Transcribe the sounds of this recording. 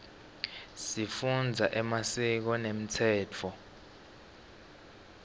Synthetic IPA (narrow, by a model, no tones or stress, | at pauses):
sifund͡zʱaʔɛmasik̬ɔnem̩tʰɛːt͡fʰɔ